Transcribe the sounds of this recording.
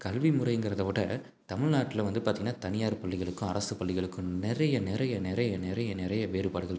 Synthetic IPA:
kɐlʋimʊɾɐjɯŋɡɪɾɐðɐʋoʈːɐ | t̪ɐmɪɻnaːʈːɪlɐʋɐnd̪ɯpaːɾt̪iŋɡɐnːaːt̪ɐnɪjaːɾpɐɭːɪɣɐɭɯkːʊ̃ɐɾɐsɯpɐɭːɪɣɐɭɯkːɯ̃nɪrɐjɐnɪɾɐjɐnɪɾɐjɐnɪɾɐjɐnɪɾɐjɐʋeːɾɯpaːɽɯɣɐɭ

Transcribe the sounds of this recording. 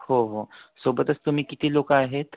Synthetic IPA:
hoɦosoːbət̪əst̪umĩkɪt̪iloːkaːɦet̪

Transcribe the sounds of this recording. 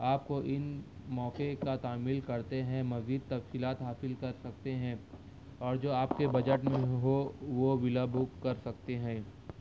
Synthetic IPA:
aːpkoʔɪnmɔːkekat̪aːmɪlkɐɾt̪eɦɛ̃mɐziːd̪̚t̪ɐfsiːlaːt̪ɦaːsɪlkɐɾsɐkt̪eɦɛ̃ː | ɔːɾd͡ʒoːaːpkebɐd͡ʒəʈmẽɦoʋoʋɪlabʱukkɐɾsɐk̚t̪eɦɛ̃ː

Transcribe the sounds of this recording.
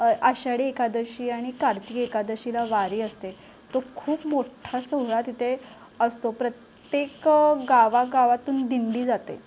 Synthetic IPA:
əɕaɽiekad̪əɕiːaɽ̃ikaɾt̪ikekad̪əɕilaʋaɾiːəst̪e | t̪okʰuːpmoʈʰasəɦɭat̪it̪ʰe | əst̪opɾət̪ | jekɡaʋaɡaʋat̪uːnd̪ind̪iːd͡zat̪ḛ

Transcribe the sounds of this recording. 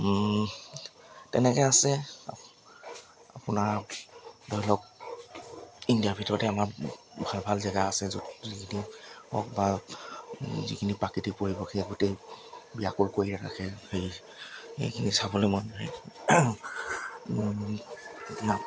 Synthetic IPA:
tɛ̰nɛkɛasɛ | apʊnaɹ | dɔjilɔk̚ | indiabʱitɔɹɔtɛamaɹbʱalbʱalzɛɡaasɛzuzikʰiniɔ̰k̚ba | zḭkʰinipakitipoɹibɔkʰeɡʊtejbijakʊɹkoɹiɹana̰kʰɛxej | ḛjkʰinisabɔlojmɔjnaɹɛ | na

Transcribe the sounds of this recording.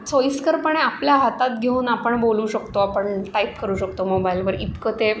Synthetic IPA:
t͡soiskəɾpəɳeapljaɦat̪at̪̚ɡʱeuːnapəɳbolũːɕəkt̪oapəɳʈaip̚kəɾuːɕəkt̪omobailʋəɾit̪kət̪e

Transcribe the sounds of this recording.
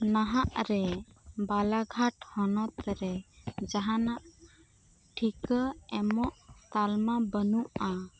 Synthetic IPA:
naɦaʔɾɛbalaɡʱaʈhɔnɔt̪ɾɛd͡ʒaɦanaʔ | ʈʰikəɛmɔʔt̪almabənuʔa

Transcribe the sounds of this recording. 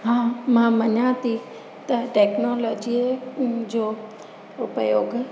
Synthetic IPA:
ɦãːmãmɐɲaːt̪i | t̪ɐʈeːknoːloːd͡ʑi | d͡ʑoː | ʊpəjoːɡ

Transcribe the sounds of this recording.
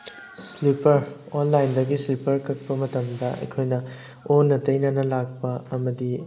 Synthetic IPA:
slipɐɾ | onlajndɐɡislipɐɾkɐk̚pɐmɐtɐmdɐɐ̰jkʰojnɐ | onːɐtɐjnɐnɐlak̚pɐɐmɐdi

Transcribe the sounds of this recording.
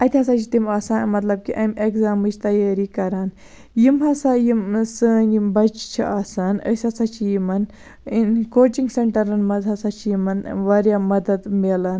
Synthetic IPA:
ɐt̪ʰʲɐsat͡ʃʰi̥t̪imaːsaːnmɐt̪lɐb̚kiʔɐmekzaːmɨt͡ʃʰt̪ɐjaːɾikɐɾaːn | jimɦɐsajimsəːnimbɐt͡ʃt͡ʃʰḭaːsaːnə̰sʲɐsʰat͡ʃʰijimɐn | inkoːt͡ʃiŋɡseɳʈɐɾɐnmɐzɦɐsat͡ʃʰijimɐnʋɐɾjaːmɐd̪ɐd̪melɐːn

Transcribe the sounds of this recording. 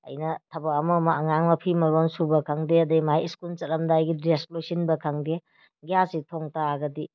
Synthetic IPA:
ɐ̰jnɐtʰɐbɐːmɐmaɐŋaŋmɐpʰimɐɾonsubɐkʰɐŋdeɐdeimajiskunt͡ʃɐɾɐmdajɡidesplusinbɐkʰɐŋde | ɡjasitʰoŋtaːɡɐdi

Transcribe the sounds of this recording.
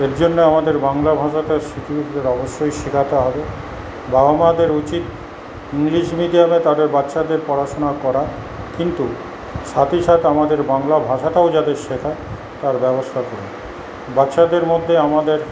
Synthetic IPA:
eɾd͡ʑonːeamad̪eɾbaŋlabʱaʃaʈaʃit̪ʰiit̪d̪eɾɔboʃːojʃikʰat̪oɦɔbe | baamad̪eɾut͡ɕit̪ | iŋliʃmid̪ijamet̪ad̪eɾbatːʃad̪eɾpɔɾaʃonakɔɾa | kint̪u | ʃat̪ʰiʃat̪eamad̪eɾbaŋlabʱaʃaʈaod͡ʑad̪eɾʃek̪ʰa | t̪aɾbɛbost̪ʰakoɾe | batːʃad̪eɾmod̪ʱːeamad̪eɾ

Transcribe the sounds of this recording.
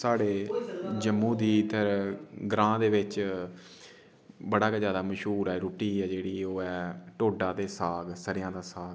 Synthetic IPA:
saːɽeːd͡ʒəmːũːd̪iːt̪əɾɡɾãːd̪eːʋɪt͡ʃ | bəɽaːkazjaːd̪aːməʃuːɾɛːɾuːʈiːɛːd͡ʒeːɽiːoːɛːʈoːɖaːd̪eːsaːɡsəɾɪjãːd̪aːsaːɡ

